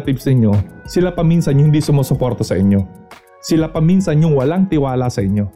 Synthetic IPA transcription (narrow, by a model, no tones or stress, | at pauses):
t̪ipsɪɲjo̞sɪlapɐmiːnsɐnjʊŋhɪnd̪iːsʊmoːsopoɾt̪ɐsɐʔɪɲjo̞ | sɪlapɐminsɐnjʊŋwɐlaŋt̪ɪwaːlasɐʔɪɲjo̞